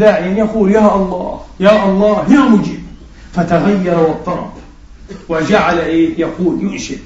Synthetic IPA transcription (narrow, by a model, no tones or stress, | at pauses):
d̪aːʕɪjanjaquːljaːʔɑlˤːɑ̰ːhjaːʔɑlˤːɑːhjamʊd͡ʒiːb | fat̪aɣajːɑɾˤwɨt̪ˤːɑɾˤɑ̰b | wɪd͡ʒaʕalaʔeːjaquːljʊʔʃɪd